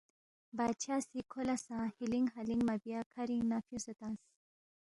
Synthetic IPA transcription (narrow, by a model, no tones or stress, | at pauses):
bat͡ɕʰasikʰolasãhiliŋɡɦaliŋɡmabjakʰaɾiŋnafjũsot̪ãs